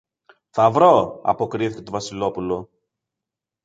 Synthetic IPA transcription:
θɐvɾo̞ɐ̰po̞kɾiθi̥ce̞t̪ovɐsilo̞pulo̞

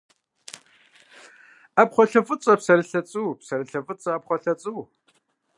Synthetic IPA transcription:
apχʷɔɬɐfʼɨt͡sʼɐpsɐɾɨɬɐt͡sʼuːpsɐɾɨɬɐfɨt͡sʼɐːpχʷɔɬɐt͡sʼuː

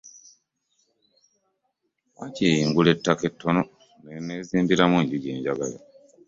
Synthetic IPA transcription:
acijiŋɡuletːake̞tʰːo̞no̞ | neneːziːmbiɾamweːɲɟuɟḛːɲɟaɡala

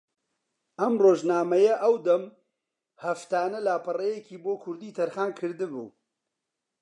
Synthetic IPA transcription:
ʔɐmroːʒnaːmɐjɐʔɐwd̪ɐm | hɐft̪aːnɐlaːpɨrejekiːboːkʰʊɾd̪iːt̪ʰɐɾxaːnkʰɨɾd̪ɨbṵː

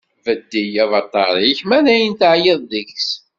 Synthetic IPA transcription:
vəd̪ːijævɑt̪ˤːɑɾˤiçmæðæjənt̪əʕjeðˤðəçs

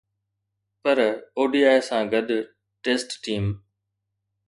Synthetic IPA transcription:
pəɾoːɖiːaːɪsãːɡəɗ̪ | ʈeːsʈːiːm

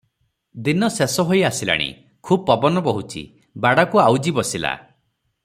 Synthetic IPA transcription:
d̪inɔsesɔɦojasila̰ɽ̃ḭ | kʰubɔpɔbɔnɔpɔɦut͡ʃʰḭ | baɽakuawd͡ʒibɔsila̰

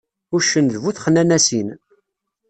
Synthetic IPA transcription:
ʊʃːənðvuθχənænæsin

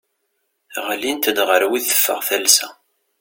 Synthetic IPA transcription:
ʁlint̪əd̪ʁəɾwiθə̥fːə̰ʁθælsæ

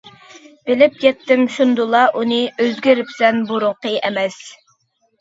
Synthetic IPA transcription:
b̥ɪlɪp̚jʲɛt̪ʰːɪmʃund̪ulˠɑʔunɨøzɡʲyɾɪpsɛnboɾʊqəʔɛmɛs

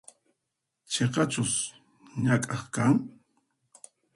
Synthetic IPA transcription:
t͡ʃeqɑt͡ʃʊs | ɲakʼɑχkaŋ

